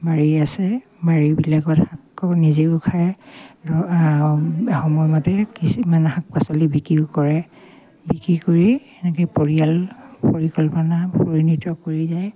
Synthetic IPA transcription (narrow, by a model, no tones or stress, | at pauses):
baɹiasɛ | baɹibilaɡɔthakːɔnizeʊkʰajdɔ | xɔmɔjmatɛkismanɦak̚pasɔlibikɹikɔɹɛ | bikɹikoɹi | ɛnɛkɛjpoɹialpoɹikɔlpɔnapoɹinitɔkoɹizaj